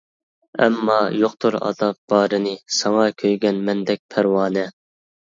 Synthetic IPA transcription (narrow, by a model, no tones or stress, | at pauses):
ɛ̰mːɑjoqt̪ʰuɾɑ̰ːd̪ɑp̚b̥ɑːɾɨnɨsɑŋɑkʲʰøjɡʲɛnmɛnd̪ɛk̚ʲpʰæɾwɑːnɛ